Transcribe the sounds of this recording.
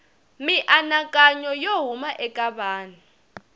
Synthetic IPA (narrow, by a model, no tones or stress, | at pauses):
miʔanakʼaɲɔjoɦumaʔɛkʼaɓaːni